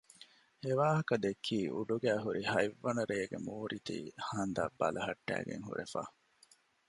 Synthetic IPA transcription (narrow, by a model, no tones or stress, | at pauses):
eʋaːɦɐkɐd̪ekʰːiːʔṵɖuɡæːɦuɾihɐjʋːɐnɐɾeːɡemuːɾʔit̪ḭːhɐnd̪aːbːɐlʔɐɦɐʈːæ̰ːɡḛŋɦṵɾefa̰ː